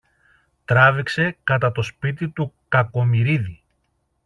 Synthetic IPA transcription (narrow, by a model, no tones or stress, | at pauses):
t̪ɾɐvikse̞kɐt̪ɐt̪o̞spit̪it̪ukɐko̞miɾiði